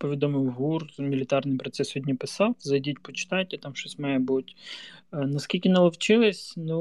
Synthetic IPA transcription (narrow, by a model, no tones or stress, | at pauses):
pɔʋʲid̪ɔmɪwɦurmʲilʲɪt̪ɑrnɪjpɾɔt̪sɛsɔdʲnʲipɪsɑwzɐjdʲitʲpɔt͡ʃɪ̥t̪ɑjtʲɐt̪ɑmʃɔsʲmajɛbutʲ | nɐskʲilʲkʲɪnɐlˠɐwt͡ʃɪlˠɪsʲnu